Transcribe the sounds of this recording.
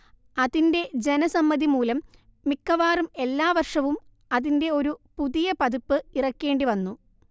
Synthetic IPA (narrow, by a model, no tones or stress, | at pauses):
ɐðinde̞d͡ʑe̞nɐsɐmːɐðimuːlɐmː | ikːɐʋaːrume̞lːaːʋɐrʂɐʋum | ɐðinde̞o̞ɾupuðijɐpɐðupːɨirɐkːe̞ːɳɖiʋɐnːu